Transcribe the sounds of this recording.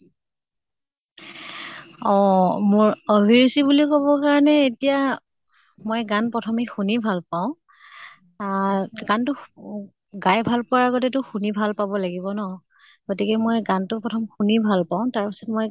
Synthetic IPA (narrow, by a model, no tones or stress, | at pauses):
ɔmʊɹobʱiɹusibulikɔbɔkaɹɔnɛetija | mojɡanpɹɔtʰɔmixunibʱalpaʊ̃ | aɡantʊ | ɡajbʱalpʊaɹaɡɔt̬ɛtʊxunibʱalpabɔlaɡibɔnɔ | ɡotikɛmojɡantʊpɹɔtʰɔmxunibʱalpaʊ̃taɹpisɔtmɔj